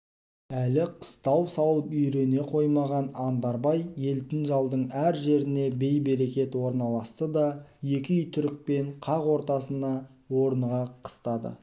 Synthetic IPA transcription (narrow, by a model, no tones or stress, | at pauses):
ælɪqʰə̥st̪ɑwsɑwlˠəpʏjɾe̞ne̞qʰo̞jmɑʁɑnɑnd̪ɑɾbɑjje̞lt̪ɪnʒɑlˠd̪əɴæɾʒe̞ɾɪne̞be̞jbe̞ɾe̞kʲe̞t̪wo̞ɾnɑlˠɑst̪əd̪ɑje̞kʲɪʏjt̪ʰʏɾɪk̚pe̞ɴqʰɑʁwo̞ɾt̪ɑsənd̪ɑ | wo̞ɾəɴʁɑqʰə̥st̪ɑd̪ə̰